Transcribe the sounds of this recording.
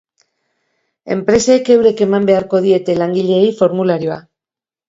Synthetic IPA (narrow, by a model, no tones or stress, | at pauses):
e̞̰mpɾe̞seːke̞wɾe̞ke̞mambe̞aɾko̞ð̞ie̞t̪e̞laŋɡiʎe̞ːjfo̞ɾmulaɾio̞a̰